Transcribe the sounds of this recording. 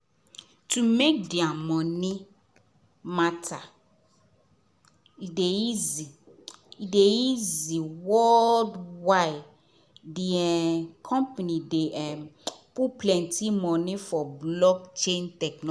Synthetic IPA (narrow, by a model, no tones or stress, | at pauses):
tʰumekdiamɔ̃nɪ̃ | matʰa | idejizi | idejiziwɔldwaɪ | diɛkʰɔ̃mpanĩdeʔɛpuplɛ̃ntʰimɔ̃nɪ̃fɔblɔkt͡ʃẽntɛknɔ